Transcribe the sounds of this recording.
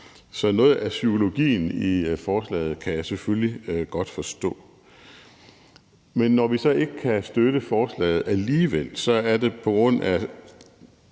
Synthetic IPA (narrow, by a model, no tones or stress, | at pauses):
sɒ̽nɔ̽ːð̩ˠæsyo̝lo̝ɡ̥ḭːnifɒːslɛ̰ɪð̩ˠkʰæjɑ̈ɪsefølliɡ̥ɒ̽d̥fɒ̽sd̥ɔ̰̽ː | menːɒʋisɒ̽e̝ɡ̥əkʰæsd̥øɾ̥əfɒːslɛ̰ɪð̩ˠæliːʋel̰sɒ̽æɐde̝pʰɒ̽ɡ̥ʁɔ̽n̰æ